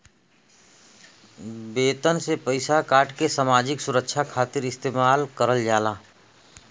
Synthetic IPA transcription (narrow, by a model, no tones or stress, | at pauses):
beːt̪ənsepəɪsakaːʈkesaːmaːd͡ʒɪksʊɾəkʃʰakʰaːt̪ɪɾɪst̪eːmaːlkəɾəld͡ʒaːlaː